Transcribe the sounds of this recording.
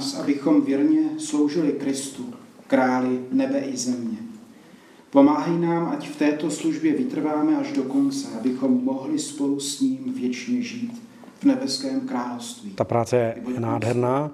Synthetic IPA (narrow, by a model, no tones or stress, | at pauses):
sʔa̰bɪxo̞mvjɛɾɲɛslo̞wʒɪlɪkɾɪst̪u | kɾaːlɪnɛbɛʔɪzɛmɲɛ | po̞maːɦɛjnaːmʔacft̪ɛːt̪o̞sluʒbjɛvɪt̪r̩vaːmɛaʒdo̞ko̞nt͡sɛabɪxo̞mːo̞ɦlɪspo̞lusɲiːmvjɛt͡ʃɲɛʒiːt̪ | vnɛbɛskɛːmkɾaːlofst̪viːt̪apɾaːt͡sɛjɛbonaːdɦɛɾnaː